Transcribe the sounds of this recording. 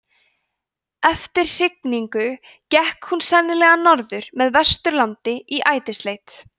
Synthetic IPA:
ɛft̪ɪɾ̥r̥ɪkniŋkʏ | cɛhkhunsɛnːɪlɛɣanɔɾðʏɾ̥mɛðvɛst̪ʏɾlant̪ɪiʔaːjt̪ɪst̪leːjt̪

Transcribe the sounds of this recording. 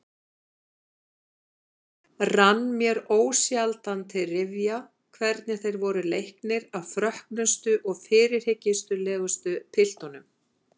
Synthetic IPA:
ranːmjɛɾoːwsjalt̪ant̪ʰɪlrɪvja | kʰvɛɾt̪nɪθejɾvɔɾʏlejhknɪɾaðfɾœhknʏst̪ʏʔɔɣfɪːɾɪɾ̥hɪcːɪst̪ʏlɛːɣʏst̪ʏpʰɪl̥t̪ɔnʏm

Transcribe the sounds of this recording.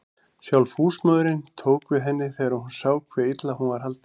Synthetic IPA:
sjawlfuːsmœðɾɪnt̪ʰoːwkvɪðɦɛnːɪθɛɾahɦunsaːwkʰvɛːit̪lahunvaɾhɦalt̪

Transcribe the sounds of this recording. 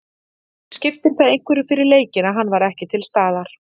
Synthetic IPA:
scɪft̪ɪɾθaðẽjŋ̥kvɛɾʏfɪɾɪɾleːjcɪnaɦanːvaɾɛhcɪt̪ʰɪlst̪aːðaɾ̥

